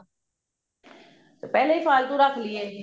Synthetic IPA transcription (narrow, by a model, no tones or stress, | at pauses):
t̪epɛːleiːfʰaːlt̪ũːɾakʰlieː